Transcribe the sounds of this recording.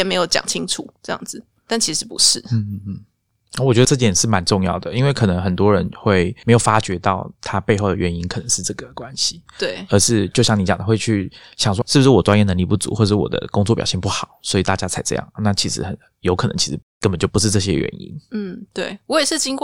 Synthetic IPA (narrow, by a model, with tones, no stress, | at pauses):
jɛ˨˩me˧˥ɪjo˧˩ʊt͡ɕjɑ̰˨˩ŋt͡ɕʰi˦ŋʈ͡ʂʰṵ˨˩ʈ͡ʂɤ˥˧jɑ̰˥˩ŋd͡z̩˨˩ | t̪a˥˩nt͡ɕʰi˧˥ʂ̩˧˥pṵ˧˦ʂɻ̩˥˩n̩˥˩˥ | a˥˩wɔ˨˩t͡ɕɥɛ˧˥d̪ə˧ʈ͡ʂt̪jɛ˨˩nʂɻ̩˥˩ma˧˦nʈ͡ʂʊ˥˧ŋjɑ̰˥˩ʊd̪ə˩i˥nwe˥˩ɪkʰɤ˨˩nə˧˥ŋxə˨˩nt̪wɔ˦ɻə˧˦nxwe˥˩ɪme˧˥jo˨˩ʊfa˥t͡ɕɥɛ˧˥t̪ɑ˥˩ʊt̪ʰa˦pe˥˧ɪxo˥˩ʊd̪ə˩ɥɛ˧˥ni˦˥nkʰɤ˨˩nə˧˦ŋʂɻ̩˥˧ʈ͡ʂɤ˥˩ɡə˩kwa˦nɕi˨˦t̪we˥˩ɪə˧˥ʂɻ̩˥˧t͡ɕjo˥˧ʊɕjɑ˥˩ŋni˧˥t͡ɕjɑ˨˩d̪ə˦xwe˥˧ɪt͡ɕʰy˥˩ɕjɑ˨˩ŋʂ̬wɔ˥ʂɻ̩˥˩bu˩ʂɻ̩˥˩wɔ˨˩ʈ͡ʂwa˥njɛ˥˩nə˧˦ŋli˥˧˩pu˥˩t͡sṵ˧˥wɔ˥˧˩ʂɻ̩˥˩wɔ̰˨˩d̪ə̰˦kʊ˥ŋt͡swɔ˥˩pjɑ̰˨˩ɕi˥˧ŋpu˥˩xɑ˨˩˦ʊswɔ˧˥i˨˩t̪a˥˩t͡ɕja˥t͡sʰa˧˥ɪʈ͡ʂɤ̰˥˧jɑ̰˥˩ŋna˥˩t͡ɕʰi˧˥ʂɻ̩̰˧˥xə˨˩n | jo˧˥ʊkʰɤ˨˩nə˧˦ŋt͡ɕʰi˧˥ʂɻ̩˧˥kə˦npə˨nt͡ɕjo˥˩pu˧˦ʂɻ̩˥˧ʈ͡ʂɤ˥˩ɕ̬jɛ̰˦˥ɥɛ̰˧˦nḭ˥nn̩˥˩t̪we˥˩ɪwɔ˦˥jɛ˨˩ʂɻ̩˥˩t͡ɕi˥ŋkw